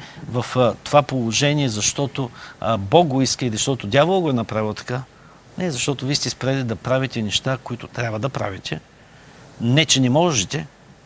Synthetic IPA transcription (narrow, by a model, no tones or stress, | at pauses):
vɐft̪ovapolˠoʒɛniɛzɐʃt̪ɔt̪obɔɡ̚ɡoiskəilizɐʃt̪ɔt̪ʊd̪ʲjavolˠɡoɛnɐpɾavʲilˠt̪ɐ̥ka | nɛzɐʃt̪ɔt̪ʊviːst̪ʲɛspɾɛd̪id̪ɐpɾavit̪ɛnɛʃt̪akoit̪ʊt̪ɾʲjabvɐd̪ɐpɾa̰vit̪ɛ | nɛt͡ʃɛnɛmɔʒɛt̪ɛ